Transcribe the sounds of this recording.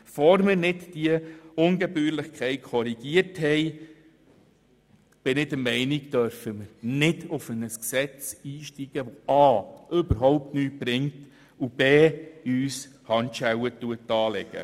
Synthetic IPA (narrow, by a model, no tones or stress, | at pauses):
fɔɾmɪɾnɪtd̥iəʊnɡɛbyːɾlɪχkʰɛɪtkʰɔɾiɡ̥iəɾthɛɪ | b̥ɪnɪdəmɛɪniɡd̥œɾfəməɾnɪdʊfənəsksɛt͡siːʃtiɡ̥əʋɔʔɑːʔʏbəɾɦɔʊp̚tnyːtb̥ɾɪŋt | ub̥eːyːshɑntʃæwətuətːɑːlɛɡ̥ə̰